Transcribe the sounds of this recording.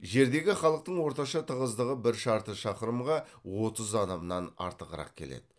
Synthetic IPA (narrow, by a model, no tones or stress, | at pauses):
ʒe̞ɾd̪e̞ɡʲɪχɑlˠəq̚t̪əɴwo̞ɾt̪ɑʃɑt̪ʰəʁəzd̪əʁəbɪɾʃɑɾt̪əʃɑqəɾəmʁɑwo̞t̪əzɑnəbənɑnɑ̰ɾt̪əqəɾɑ̰q̚kʲʰe̞le̞̰d̪ɪ